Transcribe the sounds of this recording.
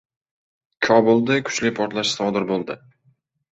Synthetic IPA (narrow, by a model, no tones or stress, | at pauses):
kʲʰɒbolˠd̪ɪkʰʊ̥t͡ʃlɪpʰɒɾt̪laʃsɒd̪ɪɾbolˠd̪ɪ